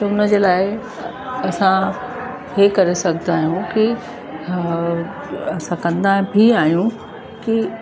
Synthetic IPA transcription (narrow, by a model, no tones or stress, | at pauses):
t̪ɐʊnəd͡ʑeːlaːɪ | ɐsã | ɦekɐɾesɐɡʱət̪aːɦijũki | ɐsãkɐ̃nd̪abʱiaːɦjũ | ki